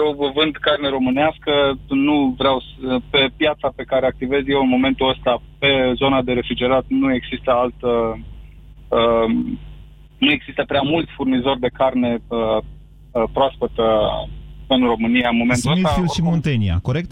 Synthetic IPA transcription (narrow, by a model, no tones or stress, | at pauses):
jowvɨnd̪karne̞ɾo̞mɨneaskənuvɾeawspe̞pjat̪sape̞kaɾeak̚t̪ive̞zje̞wɨnmo̞me̞nt̪uəst̪ape̞zo̞nad̪e̞ɾe̞fɾid͡ʒe̞ɾat̪nue̞ɡz̥ist̪əalt̪ə | ə | nue̞ɡz̥ist̪əpɾeamult̪sʲfurnizo̞rʲd̪e̞karne̞ə | pɾoaspət̪ə | ɨnro̞mɨnijaɨnmo̞ment̪uonit̪ailʃimont̪enia̰ko̞ɾek̚t̪